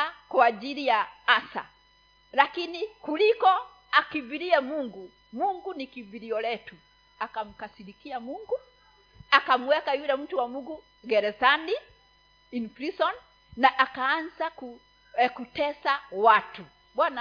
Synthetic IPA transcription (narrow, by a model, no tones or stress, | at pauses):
kwad͡ʒilijaasa̰ | lakinikulikɔ | akibiɾiamuŋɡu | muŋɡunikibiɾiɔlɛtu | akam̩kasilikiamuŋɡu | akam̩wɛkajulɛm̩tuwamuɡu | ɡɛɾɛsani | infɾisɔn | naʔakaːnzaku | kutɛsawatu | bwana